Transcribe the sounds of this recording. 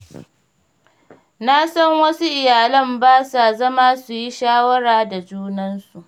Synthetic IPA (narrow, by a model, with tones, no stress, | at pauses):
na˦sɐ˦ŋwɐ˦su˦ʔɪ˨jaː˨lɐ˦˨mbaː˦sa˨zɐ˦maː˦su˨ji˦ʃaː˦wɐ˦ɽaː˨da˨d͡ʒuː˦nɐ˦nsu˨ʔ